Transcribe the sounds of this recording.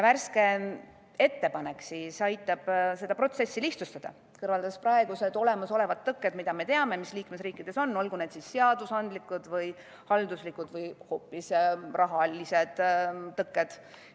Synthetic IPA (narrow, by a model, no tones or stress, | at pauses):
jværske̞ | e̞t̪ːe̞pɑne̞ksiːsɑjt̪ːˑɑb̥se̞d̪̥ɑpro̞t̪se̞sːiliht̪sust̪ɑd̪̥ɑ̰ | kɤrvɑld̪ɑsprɑe̞ɡ̥use̞d̪̥o̞le̞mɑso̞le̞vɑt̪ːɤkːˑe̞d̪mid̪̥ɑme̞t̪e̞ɑme̞misliːkmesriːkːˑid̥̪e̞so̞nːo̞lɡune̞d̪sisːe̞ɑd̪̥usɑnd̪̥likːˑud̪̥vɯj | hɑld̪uslikːˑud̪̥vɤjho̞ːpːisrʔɑɦɑlise̞d̪̥t̪ːɤkːˑed̪̥